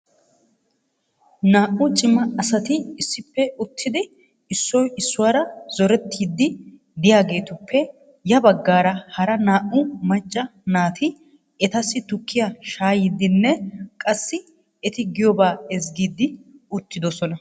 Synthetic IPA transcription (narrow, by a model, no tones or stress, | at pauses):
naːʔʊt͡ʃʼɪmɐɐsɐt̪ɪɪsːɪpːɛʊt̪ʰːɪd̪ɪ | ɪsːɔjɪsːʊwaːɾɐz̥ɔɾɛt̪ːiːd̪ːɪ | d̪ɪjaːɡe̞ːt̪ʊpʰːɛ | jɐbɐɡːaːɾɐhɐɾɐnaːʔʊmɐt͡ʃʼːɐnaːt̪ʰɪ | ɛt̪ɐsːɪt̪ʊkʰːɪjaʃaːjɪd̪ːɪnːɛkʼɐsːɪ | ɛt̪ɪɡɪjɔbaːɛzɡiːd̪ːɪʊt̪ːɪd̪ɔsɔnɐ